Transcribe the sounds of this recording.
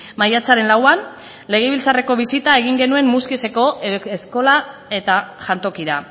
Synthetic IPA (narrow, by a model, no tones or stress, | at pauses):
majat͡saɾe̞nlawan | le̞ɣ̞e̞βilt͡sare̞ko̞βisit̪ae̞ɣ̞iŋɡe̞nue̞mmuskise̞ko̞esko̞lae̞t̪aʝant̪o̞kiɾa̰